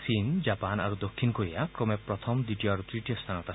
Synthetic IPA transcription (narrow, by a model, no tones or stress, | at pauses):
sind͡ʒapana̰ɾud̪okʰːinkoɾiakɾɔmepɾɔt̪ʰɔmd̪iʈijɔaɾut̪ɾiʈiɔst̪ʰanɔt̪a